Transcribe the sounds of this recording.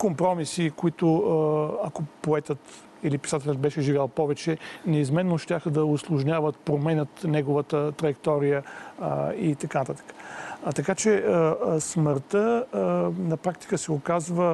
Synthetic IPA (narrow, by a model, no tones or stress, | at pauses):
kompɾɔmisikoit̪ʊ | ɐkopoɛt̪ət̪ | ilipi̥sat̪ɛlʲət̪̚bɛʃɛʒivʲalˠpɔvɛt͡ʃɛnɛizmɛnːoʃt̪ʲjaxəd̪ɐʊslˠʊʒnʲavət̪pɾomɛnʲət̪nɛɡovət̪ət̪ɾɐjɛkt̪ɔɾijə | it̪ɐkanɐt̪at̪ə̥kə̥t̪ɐkat͡ʃɛəsməɾt̪ə | nɐpɾak̚t̪i̥kəsɛʊkazvə